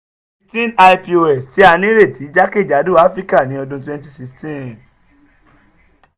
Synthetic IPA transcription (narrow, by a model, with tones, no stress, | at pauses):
i˧tĩ˦na˧ipi˧o˧ɛ˨si˦a˧nĩ˦ɾe˦˨tʰi˨˦d͡ʒa˦ke˦˨d͡ʒa˨˦du˦˨a˦fɾi˦ka˦˨nĩ˨˦ɔ˧dũ˧twɛ̃˧nti˦si˧˦stĩ˦˨